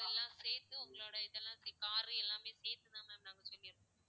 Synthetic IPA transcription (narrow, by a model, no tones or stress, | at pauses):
ɛlːãːseːt̪ːɯʊŋɡɐɭoːɽɐɪðɛlːãːskaːɾiɛlːãːmeːseːt̪ːɯnaːmɐɐmɐnaːŋɡɐsɔlːɪɪɾɯkːɐ